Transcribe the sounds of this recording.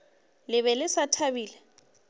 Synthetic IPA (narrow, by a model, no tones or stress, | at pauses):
lɪβɛlɪsatʰabiːlɛ